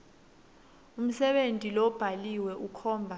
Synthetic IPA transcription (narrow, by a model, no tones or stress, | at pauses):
um̩sɛɓentʼilɔb̥ʱaliwɛʔukʰɔːmbʱa